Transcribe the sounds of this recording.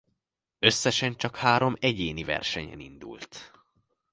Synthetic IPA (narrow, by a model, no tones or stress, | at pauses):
ø̞sːɛʃɛnt͡ʃɒkhaːɾo̞mɛɟeːnivɛ̰rʃɛɲɛ̰nḭnd̪ṵlt̪